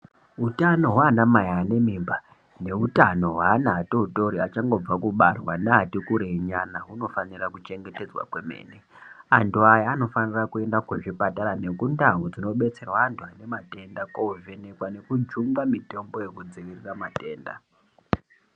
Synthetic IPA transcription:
utano̞ɦwaːnamajaːne̞mimba | ne̞utano̞ɦwaːnaatouto̞ɾiat͡ʃaŋɡo̞b͡vakuɓarwaneɦatikuɾeiɲanaɦuno̞fanirakut͡ʃe̞ŋɡe̞te̞d͡zwa̰kwe̞me̞̰ːne | antʰuajaːno̞fanirakue̞ndakweʐipataɾane̞kundaɦud͡zino̞ɓe̞t͡se̞rwaːntʰuane̞mate̞ndakovenekwane̞kud͡ʒumɡamite̞mbo̞jekud͡ziʋiriramate̞ːnda̰

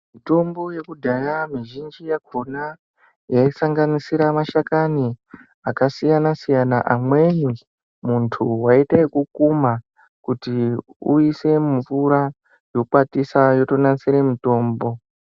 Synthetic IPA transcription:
mito̞mbo̞je̞kudʱajamiʒind͡ʒijakʰo̞na | jaisaŋɡanisiɾamaʃakani | akasijanasijanaʔamwe̞ɲi | muntʰuwaiteikukuma | kutiuise̞muvuɾa | jo̞kwatisajo̞to̞nansiɾe̞muto̞ːmbo̞

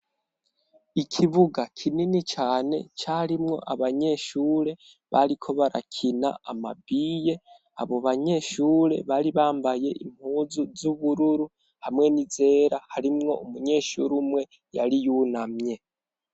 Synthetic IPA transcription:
ikʰiβuɡakʰininit͡ʃaːne̞̰t͡ʃaɾimŋo̞̰ʔaβaɲe̞ʃuːɾe̞ | βaɾikʰo̞βaɾa̰kʰina̰ama̰biːje̞ | a̰βo̞βaɲe̞ʃuːɾe̞̰βaɾiβaːmbaje̞ʔim̥huːzuzuβuɾuɾu | hamŋe̞nize̞ːɾahaɾimŋo̞̰umuɲe̞ːʃuɾumŋe̞ | jaɾijunamɲe̞

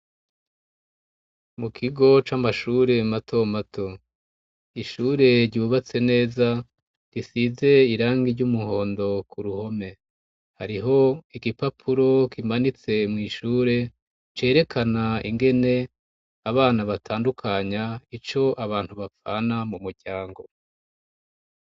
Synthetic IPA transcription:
mukʰiɡo̞t͡ʃamaʃuːɾe̞matʰo̞matʰo̞ | iʃuːɾe̞ɾɟuuβat͡se̞ne̞ːza | ɾisize̞iɾaːŋɡiɾɟumuho̞ːndo̞kʰuɾuho̞me̞ | haɾiɦo̞iɡipapʰuɾo̞kimanit͡se̞mŋiːʃuːɾe̞ | t͡ʃe̞ːɾe̞kʰanaḭŋɡe̞ne̞ | aβaːnaβatʰaːndukʰaɲait͡ʃo̞ʔaβaːn̥huβafa̰ːnamumuɾɟaːŋɡo̞

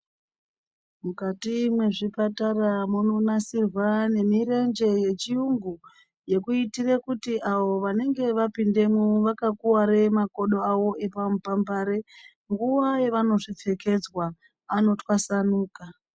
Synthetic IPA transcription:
mukatimwe̞ʐipataramunonasirwane̞miɾe̞nd͡ʒe̞je̞t͡ʃiuŋɡu | je̞kuitirekutiʔaʋo̞ʋane̞ŋɡe̞ʋapinde̞muʋakakuwaɾe̞mako̞ɗo̞aʋo̞ʔe̞pampambaɾe̞ | ŋɡuʋaje̞ʋano̞ʐip͡fe̞ke̞d͡zwaː | no̞twasanuːka

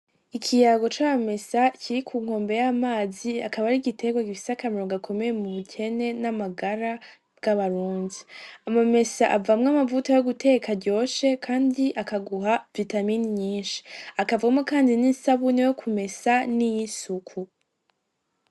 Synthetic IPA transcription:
ikʰijaɡo̞t͡ʃaβame̞sacʰiɾikʰuːŋ̥o̞ːmbe̞jamaːziakaβaɾiɡitʰe̞ɡwaɡifi̥sakamiɾoŋɡakʰo̞me̞je̞muβucʰe̞ne̞namaɡaɾa | bɡ̥aβaɾuːndiamame̞saʔavamŋamavutajoɡute̞kaɾɟo̞ːʃe̞kʰaːndiʔakaɡuɦavitaminiɲiːnʃi̥akavuɡamŋokaːndininsaβunijokʰume̞sanijisukʰu

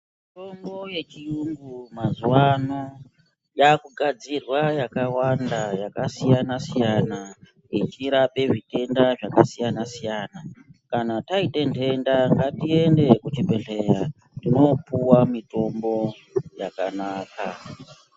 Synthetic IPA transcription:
mito̞mbo̞je̞t͡ʃiumɡumazuwano | jakuɡʱad͡zirwajakawandajakasijanasijana | it͡ʃiɾape̞ʐite̞ndaʐakasijanasijanakanataitentʰe̞ndaŋɡatie̞nde̞kut͡ʃibʱeɮe̞ɾa | tino̞puwamito̞mbo̞ | jakanaːka

